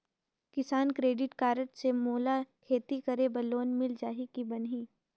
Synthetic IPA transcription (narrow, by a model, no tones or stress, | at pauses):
kɪsaːnkɾeːɖɪʈkaːɾəʈsemoːlakʰeːt̪ikɐɾebɐloːnmɪld͡ʒaːɦikibɐnɦiː